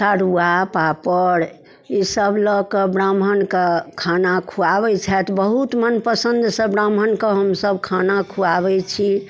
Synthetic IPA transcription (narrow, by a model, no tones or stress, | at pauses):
saɾuapapəɾ | isəblɔkebɾamɦənkekʰanakʰuabɛt͡ʃʰɛt̪bəɦut̪mənpəsə̃nd̪ʱsə̃bɾamənkeɦəmsəbkʰanakʰuaβɛt͡ʃʰi